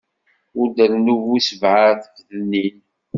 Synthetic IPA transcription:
ʊɾd̪əɾnuvisəvʕaθfðənːin

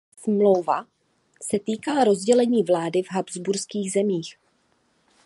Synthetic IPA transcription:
smlowva | sɛt̪iːkalaɾo̞zɟɛlɛɲiːvlaːdɪvɦabzbuɾskiːɣzɛmiːx

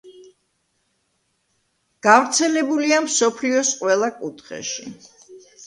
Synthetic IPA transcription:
ɡ̥avɾt̪sʰɛlɛbuliamsɔpʰliɔsqʼwɛlˠakʼut̪ʰχɛ̰ʃi

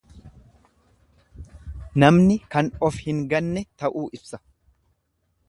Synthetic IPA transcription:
nɐmnɪkɐnɔfhɪŋɡɐnːɛt̪ɐʔuːʔɪbsɐ̥

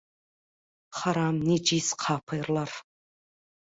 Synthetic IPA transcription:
χaɾaːmnid͡ʒisqʰaːpʰɐjrlar

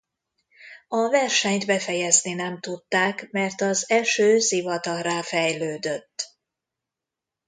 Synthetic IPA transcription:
ɒvɛrʃɛɲt̪bɛfɛjɛzninɛmt̪ut̪ːaːkmɛrt̪ɒzɛʃøːsivɒt̪ɒɾaːfɛjløːd̪øt̪ː

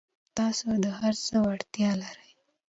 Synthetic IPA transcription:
t̪ɑsod̪əhaɾt͡səwaɽt̪jɑlaɾəj

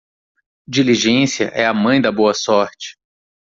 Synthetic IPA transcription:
d͡ʒiliʒẽsiɐ̰ʔɛɐmɐ̃j̃d̪ɐboɐsɔɾt͡ʃɪ̥

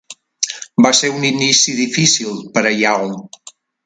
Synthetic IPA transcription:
baseuninisiðifisilˠpəɾəjaw

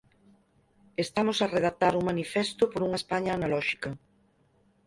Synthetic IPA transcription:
est̪amosareðak̚t̪aɾuŋmanifɛst̪ʊpoɾuŋɐespaɲaːnalɔʃi̥kɐ

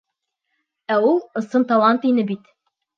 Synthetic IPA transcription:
æulˠɤ̆sɤnt̪ɑlˠɑnt̪inɘbit̪

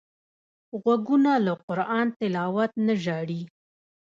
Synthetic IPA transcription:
ɣwaɡunalaqʊɾɑnt̪ɪlɑwat̪naʒɑɽi

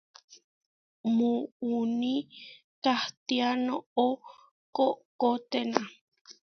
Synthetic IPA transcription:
muuni | t̪aht̪ianoo | koʔkot̪enã

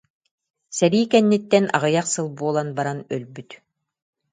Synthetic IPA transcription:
sɛɾiːkɛnːit̪ːɛnʔa̰ʁɯjaqsɯlˠbuɔlˠanbaɾanœlbyt̪

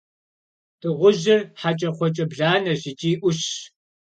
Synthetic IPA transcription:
tʰɨʁʷʊʑɪrħat͡ʃʼɐqʷɔt͡ʃʼɐbɮaːnɐʑɪt͡ʃʼiːʔʷʊɕ

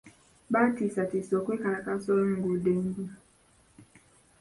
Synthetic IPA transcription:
batisatisɔkekanakasɔŋ̩ɡudeŋɡi

